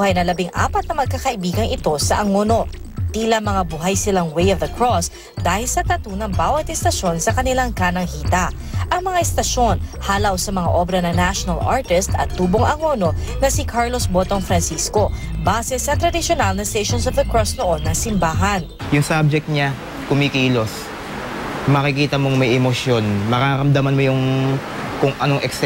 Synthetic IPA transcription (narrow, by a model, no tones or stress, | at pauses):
hajnɐlɐbiŋʔa̰ːpɐt̪̚nɐmɐɡ̚kakɐʔɪbiːɡɐŋɪt̪o̞sɐʔɐŋono̞ | t̪iːlɐmɐŋabuɦajsɪlaŋwejɔvðɐkɹos | d̪aːhɪlsɐt̪ɐt̪unɐŋbaːwɐt̪ɛst̪ɐʃo̞nsɐkɐnɪlaŋkaːnɐŋhiːt̪ɐ | ʔɐŋmɐŋaɛst̪ɐʃo̞nhaːlɐwsɐmɐŋa̰ʔobɾɐnɐŋnaʃonɐlʔa̰ɹt̪ɪst̪ɐ̰t̪ːuːboŋʔɐŋo̞no̞nɐsikʰaɹlo̞sbot̪oŋfɾɐnsisko̞baːsɛsɐt̪ɾɐd̪ɪʃonalnɐst̪eʃonsovd̪ɐkɹosnoʔo̞nːɐŋsɪmbaːɦɐn | jʊŋsab̚d͡ʒɛk̚t̪̚ɲa | kʊmikiːlo̞s | mɐkɪkiːt̪ɐmoŋmɐjʔɛmosjo̞nmɐkaɾɐmd̪ɐmanmojʊŋ | kʊŋʔɐnoŋʔɛks